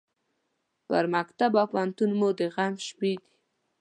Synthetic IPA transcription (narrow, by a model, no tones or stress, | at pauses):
pə̰ɾmakt̪abapant̪unmod̪əɣamʃpid̪i̥